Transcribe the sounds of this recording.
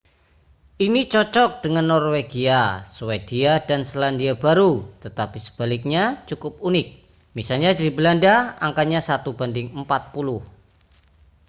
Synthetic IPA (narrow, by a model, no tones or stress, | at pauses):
ʔinit͡ʃɔt͡ʃɔk̚d̥əŋanːɔrweɡiaswed̥iadanslandiabaɾut̪ət̪apisə̥b̥alɪk̚ɲat͡ʃukʊp̚unɪk̚ | misalɲadibəlandaaŋkaɲasat̪ub̥andɪŋəmpat̪̚pulʊh